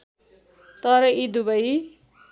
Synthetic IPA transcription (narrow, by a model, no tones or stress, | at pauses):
t̪ʌɾʌid̪ubʌj